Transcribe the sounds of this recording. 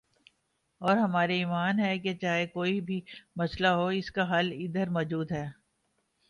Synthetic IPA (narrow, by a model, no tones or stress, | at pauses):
ɔːɾɦɐmaːɾeiːmaːnɦɛket͡ʃaːɦekoːibʱimɐslaɦoɪskaɦɐlɪd̪əɾmɔːd͡ʒuːd̪ɦɛː